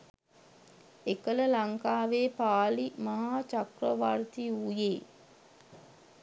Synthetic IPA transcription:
ekələlaŋkaːʋeːpaːlimaɦaːt͡ʃakrəʋaɾt̪iujeː

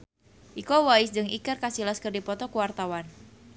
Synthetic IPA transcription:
ʔikɔwaɪsdɨŋikərkasilaskərdipɔt̪ɔkuwart̪awan

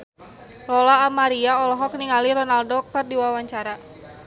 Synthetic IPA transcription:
rɔlaːmaɾiaɔlɔɦɔkniŋaliɾɔnaldɔk̚t̪ərdiwawaɲt͡ʃaɾa

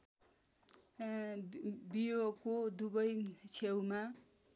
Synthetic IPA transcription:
bijokod̪ubʌjt͡sʰewma

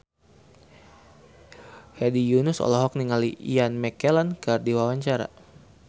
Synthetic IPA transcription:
hɛdijunusɔ̰lɔɦɔk̚niŋaliianmɛkɛlankərdiwawaɲt͡ʃaɾa̰

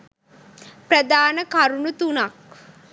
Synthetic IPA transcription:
prəd̪aːnəkaɾunut̪unak

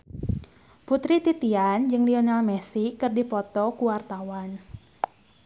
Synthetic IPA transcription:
put̪ɾit̪it̪iand͡ʒɨŋlionalmɛsikːɨrdipɔt̪ɔkuwart̪awan

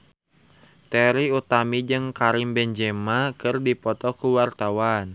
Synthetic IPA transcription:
t̪ɛɾiut̪amid͡ʒɨŋkaɾimbɛnd͡ʒɛmakɨrdipɔt̪ɔkuwart̪awan

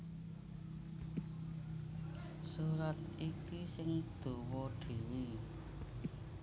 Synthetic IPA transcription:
suɾat̪̚ʔikisɪŋd̪̥ṳwoɖ̪̥i̤wi

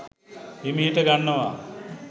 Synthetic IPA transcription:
emiɦiʈəɡanːəʋa

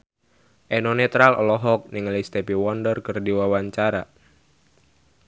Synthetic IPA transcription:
ʔɛnɔnɛt̪ɾalɔ̰lɔɦɔk̚nɪŋlist̪ɛpiwɔndərkɨrdiwawaɲt͡ʃaɾa

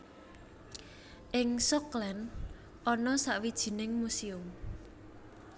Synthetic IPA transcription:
ʔɪŋsɔklɛn | ʔɔnɔsaʔwid̥ʒ̥i̤nɪŋmusiʊm

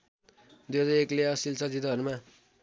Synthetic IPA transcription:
d̪jedʌekleʌsilt͡sʌd͡zid̪ʌɦʌɾuma

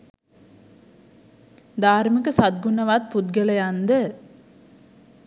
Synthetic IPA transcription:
d̪aːɾməkəsat̪̚ɡunəʋat̪̚pud̪̚ɡələjand̪ə

